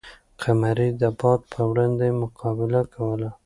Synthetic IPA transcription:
qʰamaɾid̪əbɑd̪̚pʰəwɽɑnd̪emʊqʰɑbɪlakʰawəla

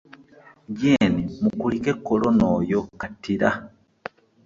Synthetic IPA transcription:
ɟenimukulikekːolonojokatiɾa

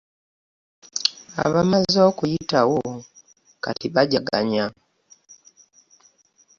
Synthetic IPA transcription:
a̰βamazo̞ːkujitawo | ka̰tiβaɟaɡa̰ɲa

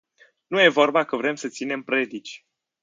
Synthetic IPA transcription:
nuje̞vo̞rbakəvɾe̞msət̪sine̞mpɾe̞d̪it͡ʃʲ

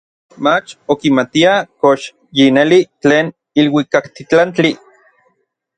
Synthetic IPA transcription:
mat͡ʃokimat̪iakoʃ | jinelit͡ɬeːn | ilwikakt̪it͡ɬant͡ɬi

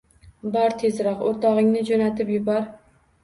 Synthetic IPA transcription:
bɒɾt̪ʰe̞zɾɒqoɾt̪ʰɒʁɪŋnɪd͡ʒonat̪ɪpjʊbɒɾ

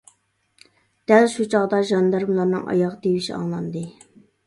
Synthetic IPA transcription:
d̪̥ælʃut͡ʃʰɑʁd̪ɑʒɑnd̪ɑɾmlˠɑɾnɨ̰ŋʔɑ̰jɑʁd̪ewiʃiɑ̰ŋlˠɑnd̪ɨ

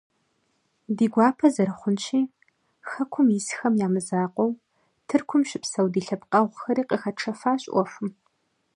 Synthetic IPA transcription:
diːɡʷɑːpʰɐzɐɾɨχʷʊnt͡ʃʰiː | xɐkʷʰʊmjɪsxɐmjaːmɨzaːqʷʼɔw | tʰɨrkʷʰʊmɕɪpsɐwdiːɬɐpqʼɐʁʷxɐɾiːqʼəxɐʈ͡ʂʰɐfaːɕʼʔʷɔfʷʊm

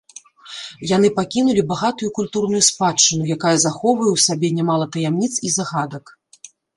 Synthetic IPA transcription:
jan̪ɨpakʲinulʲibaɣat̪ujukulʲt̪urnujuspat͡ʂːɨnujakajɐzaxɔwvɐjɛwsʲabʲɛnʲɛmalˠɐt̪ɐjamnʲit̪sizaɣad̪ɐk

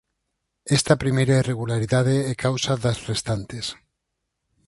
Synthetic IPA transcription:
est̪apɾimejɾaireɣ̞ulaɾiðað̞eekʰawsaðasrest̪ant̪es

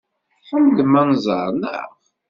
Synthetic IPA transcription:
ħəmd̪mænzˤə̰ɾˤnə̰ʁ

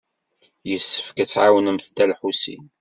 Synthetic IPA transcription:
jəsːə̥fkæt͡sːʕawənəmθd̪ælħusḭn

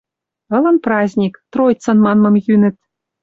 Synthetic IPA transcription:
ɤ̆lɤ̆nprɑzʲnʲikt̪rojt͡sɤ̆nmɑnmɤ̆mjynɘ̆t̪̚

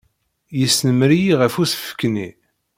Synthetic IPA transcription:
jəsnəmɾijiʁəfusə̥fə̥kːni

